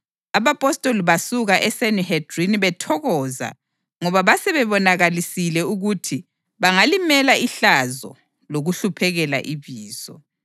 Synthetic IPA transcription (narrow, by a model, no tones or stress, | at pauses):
aβapʼɔstʼoliβasuɣaʔɛsenihɛdriniβɛtʰɔɣɔːza̰ | ŋɔβaβasɛβɛβɔnaɣalisilɛuɣutʰi | βaŋalimɛlaiɬazɔ̰ | loɣuɬupʰɛɣɛla̰ʔiβiːzɔ̰